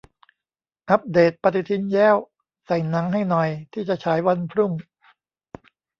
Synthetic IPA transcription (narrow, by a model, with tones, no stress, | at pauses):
ʔa˦p̚d̪eː˨˩t̪̚pa˧t̪i˨˧t̪ʰi˧˥njɛː˦˥˩w | sa˨˩jna˩˦ŋɦa˥˩jnɔ˨˩jt̪ʰiː˥˩t͡ɕa˨˩t͡ɕʰaː˩˦jwa˧npʰɾu˥˩ŋ